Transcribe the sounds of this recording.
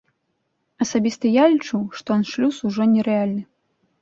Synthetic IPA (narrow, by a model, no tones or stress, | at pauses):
ɐsabʲist̪ɨjalʲit͡ʂuʂt̪ɔɔnʂlʲusuʐɔnʲɛɾɛalʲnɨ